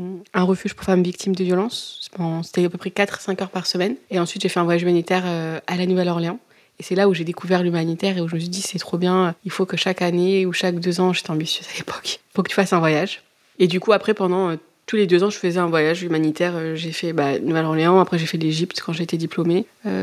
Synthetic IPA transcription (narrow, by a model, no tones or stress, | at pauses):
ɛ̃ʁəfyʒpχfamvik̚t̪ʰimd̪əvjɔlɑ̃spɑ̃se̥t̪ɛapøpχɛkat̪χsɛ̃kœʁpaʁsəmɛneɑ̃sɥit̪ʒefɛɛ̃vwajaʒymanit̪ɛʁøalanuvɛlɔʁleɑ̃ | esɛlauʒed̪ekuvɛʁlymanit̪ɛʁeuʒəməs̬ɥid̪isɛt̪χobjɛ̃øilfokəʃakaneuʃak̚d̪øzɑ̃ʒet̪ɛɑ̃bisjøzalepʰɔ̥kpuʁkə̥t̪yfasɛ̃vwajaʒ | ed̪ykuapχɛpɑ̃d̪ɑ̃ø | t̪uled̪øzɑ̃ʒəfəzɛɛ̃vwajaʒymanit̪ɛʁøʒefɛbanuvɛlɔʁleɑ̃apχɛʒefɛleʒipt̪kɑ̃ʒeːt̪ed̪iplomeø̰